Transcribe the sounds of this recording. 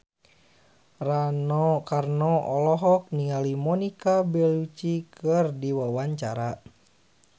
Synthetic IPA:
ranɔkarnɔɔlɔɦɔk̚niŋalimɔnikabɛlut͡ʃikɨrdiwawaɲt͡ʃaɾa

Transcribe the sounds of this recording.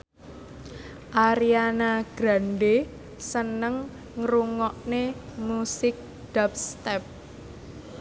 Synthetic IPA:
ʔaɾianaɡ̥ɾa̤nɖe | sənəŋ | ŋɾuŋɔʔnemusɪk̚ | d̪̥ap̚st̪ɛp̚

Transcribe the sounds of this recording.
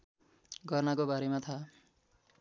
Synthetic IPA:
ɡʌrnakobaɾemat̪ʰa

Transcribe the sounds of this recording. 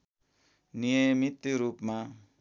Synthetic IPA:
nijʌmit̪ːiɾupma

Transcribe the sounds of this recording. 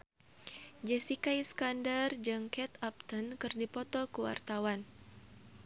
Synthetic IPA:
d͡ʒɛsikajskandard͡ʒɨŋkɛt̪ap̚t̪ənkɨrdipɔt̪ɔkuwa̰rt̪awan

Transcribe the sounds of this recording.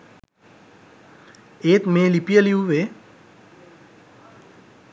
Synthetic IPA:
eːt̪meːlipijəliuʋeː

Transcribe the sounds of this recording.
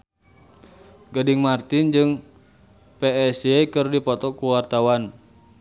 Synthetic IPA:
ɡadiŋmart̪ɪnd͡ʒɨŋ | peɛsɛkɨrdipɔt̪ɔkuwart̪awan

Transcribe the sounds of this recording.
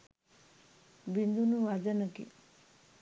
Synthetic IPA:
bind̪unuʋad͡ʒənɐkḭ

